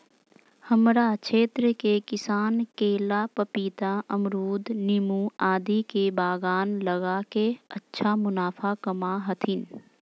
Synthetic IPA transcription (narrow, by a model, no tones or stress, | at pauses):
həmɾat͡ʃʰeːt̪ɾəkekɪsaːnkeːlapəpiːt̪aʔəmɾuːd̪nɪmuaːd̪ikebaːɡaːnləɡakeətːʃʰamʊnaːpʰakəmaɦət̪ʰɪn